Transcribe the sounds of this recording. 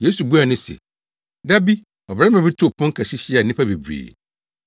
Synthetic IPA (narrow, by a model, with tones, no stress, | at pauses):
je˦su˨bu˦a˨nʊ̃˦sɛ̰˨ | da˦bi˦ | ɔ˨bɾɛ˦ã˨bɪ˦tʰʊ˦˨pʰʊ̃˦ŋ˦kʰa˨ɕi˦ɕi˦a˨nĩ˦pʰa˦be˨bɾḛː˨